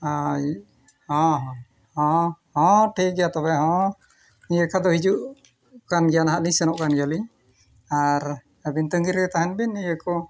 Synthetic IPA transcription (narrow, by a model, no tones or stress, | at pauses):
a | hɔ̃ɦɔ̃ | hɔ̃hɔ̃ʈʰiɡɛjat̪ɔbɛɦɔ̃ | niəkʰad̪ɔɦid͡ʒuʔ | kanɡɛjanaɦaʔlĩɲsɛnɔʔkanɡaliɲ | aɾ | əbint̪əŋɡiɾɡɛt̪aɦanbiniəkɔ